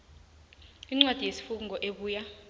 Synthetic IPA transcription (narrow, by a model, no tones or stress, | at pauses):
iŋ͡ǀwad̥ʱijesi̥fuk̬uŋɔʔeɓuːja